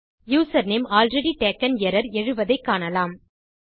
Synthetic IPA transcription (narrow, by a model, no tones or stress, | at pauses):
juːsɐɾneːmaːlɾɛɽiʈeːkːɐnɛɾɐɾɛɻɯʋɐðɐɪkːaːnɐlaːm